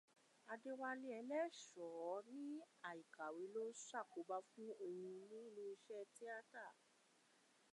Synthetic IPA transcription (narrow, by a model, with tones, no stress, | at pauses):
a˧de˦wa˧li˧˦ɛ˧lɛ˦ʃɔ˨˦ɾĩ˦a˨i˨ka˨we˨˦lo˦sa˦˨ko˨˦ba˧fũ˦o˧hũ˧nĩ˦i˦lu˦i˧ʃɛ˦ti˦a˦ta˦˨